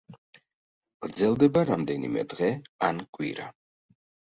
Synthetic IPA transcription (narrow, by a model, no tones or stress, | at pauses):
ɡ̥ɾd̪zɛlˠd̪ɛbaɾamd̪ɛnḭmɛ̰d̪ʁɛankʼwḭɾa